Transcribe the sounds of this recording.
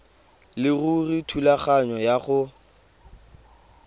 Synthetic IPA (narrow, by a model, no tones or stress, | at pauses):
lɪɣuritʰulaχaɲɔjaχʊ